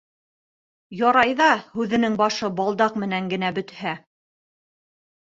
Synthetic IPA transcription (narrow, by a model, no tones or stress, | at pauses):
jɑɾɑjðɑhʉðɘ̆nɘŋbɑʃɤbɑlˠd̪ɑqmɘ̆næŋɡɘ̆næbɵ̆t̪hæ